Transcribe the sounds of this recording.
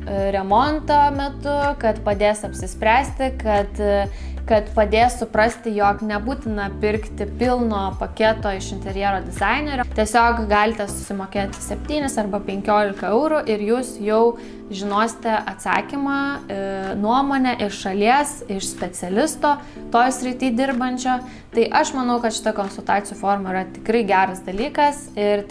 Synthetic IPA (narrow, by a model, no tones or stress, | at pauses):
ɾʲɛmont̪oːmʲɛt̪ʊkɐt̪pɐd̪ʲeːsɐpʲsʲɪsʲpʲɾʲæːsʲt̪ʲɪkɐt̪ | kɐt̪pɐd̪ʲeːssʊpɾɐsʲt̪ʲɪjoːknʲɛbuːt̪ʲɪnɐpʲɪɾkt̪ʲɪpʲɪlˠnoːpɐkʲeːt̪oːɪʃɪnʲt̪ʲɛɾʲjɛɾoːd̪ʲɪzɑɪnʲɛɾʲot̪ʲiɛsʲoːkɡɑːlʲɪt̪ʲɛsʊ̥sʲɪmoːkʲeːt̪ʲsʲɛpʲt̪ʲiːnʲɪsɐrbɐpʲɛŋʲkʲoːlʲɪkɐɛʊɾʊʔɪɾjuːsjɛʊ | ʒʲɪnoːsʲɪ̥t̪ʲɛʔɐt̪sɑ̰ːkʲimɑː | nuɔmoːnʲɛʔɪʃʃɐlʲiɛsɪʃsʲpʲɛt͡ssʲɛlʲɪst̪oː | t̪oːjsʲɾʲɪt̪ʲiːd̪ʲɪɾbɐnʲt͡ʃʲoː | t̪ɐɪʔɐʃmɐnɐʊkɐt̪ʃʲɪ̥t̪ɐkoːnsʊlˠt̪ɑːt̪ʲɪjuːfoːrmɐiːɾɐt̪ʲɪkɾɐɪɡʲæːɾɐsd̪ɐlʲiːkɐsɪr